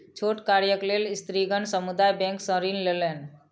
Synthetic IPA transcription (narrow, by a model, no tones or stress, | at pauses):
t͡ʃʰoʈkaɾjəklelɪst̪ɾiɡʱəɳsəmud̪ajbɛ̃ŋksə̃ɾinlelen